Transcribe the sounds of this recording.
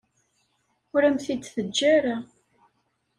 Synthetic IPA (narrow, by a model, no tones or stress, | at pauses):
ʊɾæmθid̪θəd͡ʒːaɾa